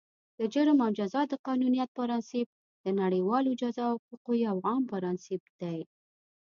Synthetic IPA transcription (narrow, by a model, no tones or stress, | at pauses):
d̪̥əd͡ʒəɾəmawd͡ʒazɑd̪əqɑnunijat̪̚faɾɑnsɪp̚ | d̪̥ənaɽəjwɑlod͡ʒazɑʊquqojawɣɑmpaɾɑnsɪp̚d̪̥aj